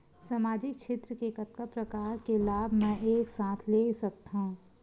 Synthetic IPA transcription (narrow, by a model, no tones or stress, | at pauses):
samaːd͡ʒɪk̚t͡ʃʰɪt̪ɾəkekət̪̚kəpɾəkaːɾkelaːbʱmɛ̃eːksaːt̪ʰlesɐkt̪aɦũ